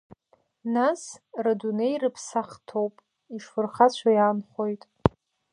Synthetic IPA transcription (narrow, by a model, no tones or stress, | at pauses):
nasradunejrɨpʰsaχtʰo̞wpʼ | iʂfɨrχat͡ɕʷʰajaːnχo̞jtʼ